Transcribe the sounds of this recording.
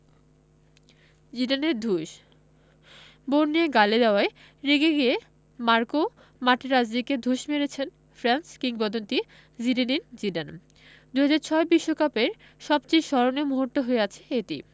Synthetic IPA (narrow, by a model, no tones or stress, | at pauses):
d͡ʑiɖaneɾd̪ʱuʃ | boɾnieɡaled̪aoae | ɾeɡeɡie | maɾko | maʈeɾad͡ʑdiked̪ʱuʃmeɾet͡ɕʰen | fɾanskiŋbɔd̪ont̪i | ziɾenind͡ʑiɖan | d̪uɦad͡ʑaɾt͡ɕʰɔebiʃːokapeɾ | ʃɔbt͡ɕejʃɔɾonemuɦoɾt̪oɦoeat͡ɕʰeetḭ